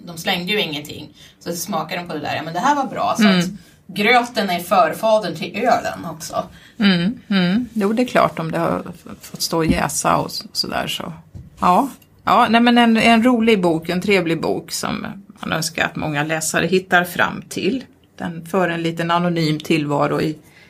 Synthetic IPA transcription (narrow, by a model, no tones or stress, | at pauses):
d̪ɔmslɛŋd̪əjɵɪŋːənt̪ʰɪ̰ŋːsɔsmɑːkad̪ɔmpʰɔd̪ɛd̪æ̰ːɾjɑːmɛnd̪ɛɦæːɾvaɾbɾɑ̰ːsɔat̪ | ɡɾøːt̪ənæɾfœːɾfɑːd̪ənt̪ʰɪlʔøːlə̰nɔksɔ̰ | juːd̪ɛkʰlɑ̰ːʈɔmd̪ɛhaɾfɔt̪ːst̪oːɔjɛ̰ːsa̰ɔ̰sɔd̪æ̰ːʂɔ̰ʔɑː | ʔɑːnɛmɛnɛnɛnɾuːlɪɡ̚buːkɛnt̪ʰɾeːvlɪɡbṵːksɔ̰mːanœ̰nska̰ɾa̰t̪mɔŋːalɛːsaɾʔəɦɪt̪ːaɾfɾa̰mːt̪ʰɪl | d̪̥ɛnfœːɾɛnliːt̪ənanʊnyːmt̪ʰɪlvɑːɾʊɪ